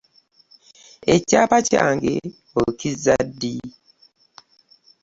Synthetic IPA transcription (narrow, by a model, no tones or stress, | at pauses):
et͡ʃapat͡ʃa̰ŋɡḛ | okizadi